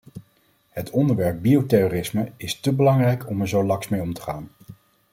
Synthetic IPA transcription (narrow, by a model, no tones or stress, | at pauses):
ɦətʰɔndəɹʋɛɹb̚biowtɛroːrɪsməɪstəbəlɑŋrɛjkʰɔmɛɹzowlɑŋsmejɔmtə̥χaːn